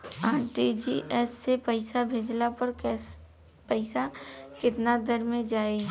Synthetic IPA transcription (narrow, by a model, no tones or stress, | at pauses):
aːɾʈid͡ʒiʔɛːsːepɛɪsabʱeːd͡ʒlapɐɾkɛ | pɛɪsakɪt̪nad̪əɾmẽd͡ʒaːeɡ